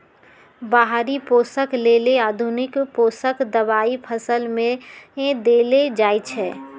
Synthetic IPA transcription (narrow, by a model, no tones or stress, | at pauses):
baɦɾipoːsəkleːleaːd̪ʱunɪkpoːsəkd̪əbaːipʰəsəlmẽd̪eled͡ʒaːjt͡ʃʰɛː